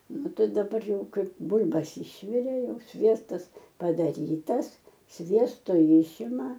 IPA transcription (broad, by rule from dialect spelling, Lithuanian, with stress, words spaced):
ˈnʊ ˈtɐɪ dɐˈbɐr ˈjɛʊ ˈkɐɪp ˈbʊlʲbɐs ˈɪʃʲʋʲɪrʲeː ˈjɛʊ ˈsʲʋʲiɛstɐs pɐdɐˈrʲiːtɐs ˈsʲʋʲiɛstoː ˈjɪʃʲɪmɐ